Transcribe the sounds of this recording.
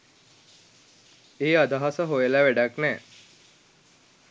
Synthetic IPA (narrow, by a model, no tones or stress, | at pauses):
eːad̪aɦasəɦojəlæʋæɖaknɛː